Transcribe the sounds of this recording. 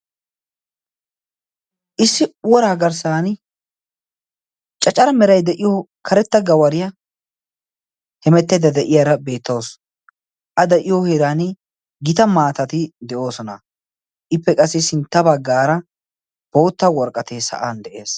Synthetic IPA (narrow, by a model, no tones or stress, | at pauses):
ʔɪsːɪʊwɔɾaːɡɐɾsaːn | t͡ʃʼɐt͡ʃʼːɐɾɐmɛɾɐjd̪ɛʔɪjokʰɐɾɛt̪ːɐɡɐwɐɾɪjɐ | hɛmɛt̪ːɛd̪ɐd̪ɛʔɪjaɾɐbe̞ːt̪ːɐws | ʔɐd̪ɛʔɪjoheɾaːn | ɡɪt̪ɐmaːt̪ɐt̪ɪd̪ɛʔo̞ːsɔnɐ̰ | ʔɪpːɛkʼɐsːɪsɪnt̪ːɐbɐɡːaːɾɐ | b̥o̞ːt̪ːɐwɔɾkʼːɐt̪eːsɐ̰ʔaːnd̪ɛʔe̞ːs